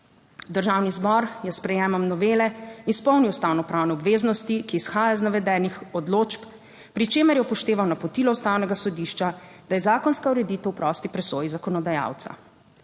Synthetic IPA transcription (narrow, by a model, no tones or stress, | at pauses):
d̪əɾʒawnizbɔɾjɛspɾɛjɛːmɔmnɔʋeːlɛinspɔwniwst̪awnɔpɾaːwnɛɔbʋeːznɔst̪ikiːsxaːjaznaʋɛd̪ɛːnixɔd̪loːt͡ʃp | pɾit͡ʃeːmɛɾjɛpɔʃt̪eːʋawnapɔt̪ilɔwst̪aːwnɛɡasɔd̪iʃt͡ʃad̪̥ajɛzaːkɔnskauɾɛd̪it̪ɛwpɾɔst̪ipɾɛsoːjizakɔnɔd̪aja̰wt̪sa̰